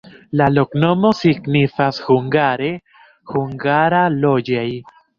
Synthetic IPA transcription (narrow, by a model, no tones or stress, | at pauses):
lalokno̞mo̞siɡnifashuŋɡaɾe | huŋɡaɾalo̞d͡ʒaj